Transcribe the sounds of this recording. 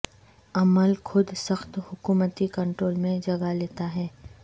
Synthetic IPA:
ɐməlkʰʊd̪səxt̪hʊkuːmət̪ikɐ̃ɳʈɾoːlmẽd͡ʒɐɡaleːt̪aɦɛː

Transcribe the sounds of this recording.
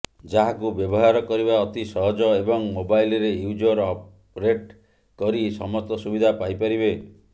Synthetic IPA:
d͡ʒaɦakubjɔbɔɦaɾɔkɔɾibaɔt̪isɔɦɔd͡ʒɔebɔŋmobajlɔɾejud͡ʒɔɾɔp | ɾeʈ | kɔɾisɔ̰mɔst̪ɔsubid̪ʱapajpaɾibe

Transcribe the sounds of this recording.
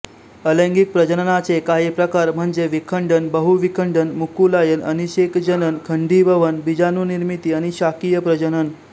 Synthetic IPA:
ələ̃ŋɡik̚pɾəd͡ʑənənat͡sekaɦiːpɾəkaɾm̤əɳd͡zeʋikʰəɳɖənbəɦuʋikʰəɳɖənmukulajənəniɕekd͡ʑənənkʰəɳɖiːbʱəʋənbid͡ʑanuniɾmit̪iːañiɕakijəpɾəd͡ʑənən

